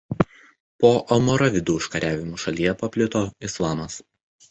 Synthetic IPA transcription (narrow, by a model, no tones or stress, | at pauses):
poːʔɐmɔɾɐʋʲɪd̪uːɪʃkɐɾʲæːʋʲɪmuːʃɐlʲiːjɛpɐpʲlʲɪt̪oːɪslˠɑːmɐs